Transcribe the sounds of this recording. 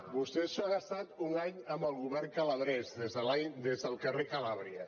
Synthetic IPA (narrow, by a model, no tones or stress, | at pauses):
bust̪eʃɔaɣast̪at̪uŋaɲəmbəlˠɣuβɛrŋkələβɾɛzðezðəlad̪ezðəlˠkərekəlaβɾiə